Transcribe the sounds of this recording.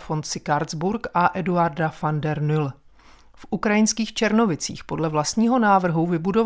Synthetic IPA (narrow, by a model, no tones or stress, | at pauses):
fo̞nt̪sɪkaɾzbuɾkʔaʔɛduaɾdafandɛɾnʏl | fʔukɾajɪnskiːxt͡ʃɛɾno̞vɪt͡sḭːxpo̞dlɛvlast̪ɲiːɦo̞naːvr̩ɦuvɪbudo̞v